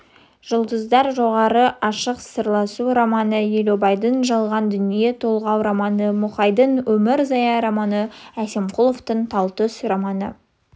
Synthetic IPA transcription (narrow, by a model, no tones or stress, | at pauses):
ʒ̥ʊlˠd̪əzd̪ɑɾʒo̞ʁɑɾəʔɑʃəqsəɾlˠɑsuɾɑmɑnəjelobɑjd̪ənʒɑlˠʁɑnd̪ʏnije̞t̪ʰo̞lˠʁɑwɾɑmɑnəmʊχɑjd̪ənwɵmɪɾzɑjɑɾɑmɑnəæse̞mqʰulˠoft̪əɴt̪ʰɑlˠt̪əsrɑmɑnə̰